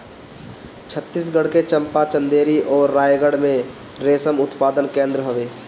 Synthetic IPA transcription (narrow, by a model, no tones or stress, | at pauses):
t͡ʃʰət̪ːis̬ɡəɽket͡ʃə̃mpat͡ʃə̃nd̪eːɾiʔɔːɾːaːjɡəɽmẽ | ɾeːsəmʊt̪paːd̪ənkẽːnd̪ɾəɦoʋeː